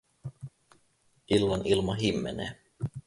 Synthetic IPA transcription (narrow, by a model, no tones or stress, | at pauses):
ʔilːɑnilmɑɦimːeneː